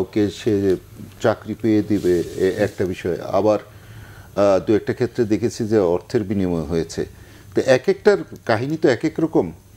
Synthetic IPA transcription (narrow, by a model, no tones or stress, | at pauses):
wkeʃee | t͡ɕakɾipejed̪ibeɛk̚ʈabiʃɔea̰baɾ | d̪uɛk̚ʈakʰet̪ːɾed̪ekʰet͡ɕʰid͡ʑeɔɾt̪ʰeɾbinimoeɦojet͡ɕʰḛ | t̪oʔɛkek̚ʈaɾkaɦinit̪oɛkekɾɔkom